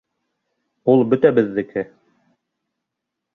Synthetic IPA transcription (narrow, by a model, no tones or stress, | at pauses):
ulˠbɵ̆t̪æbɘ̆ðːɘ̆kʰɘ